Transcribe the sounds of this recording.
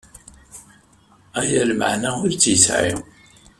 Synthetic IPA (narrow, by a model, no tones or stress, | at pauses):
æjælmə̰ʕnæʊɾt͡sːjəsʕḭ